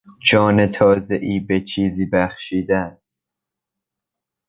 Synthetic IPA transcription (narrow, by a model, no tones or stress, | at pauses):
d͡ʒɒːne̞t̪ʰɒːze̞ʔiːbe̞t͡ʃʰiːziːbæxʃiːd̪æn